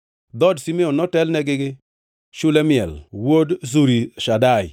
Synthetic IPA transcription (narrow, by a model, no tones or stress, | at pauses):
d̪ɔdsimeɔnːɔtɛlnɛɡɪɡɪ | ʃʊlɛmɪɛ̰lwodzuɾiʃadaɪ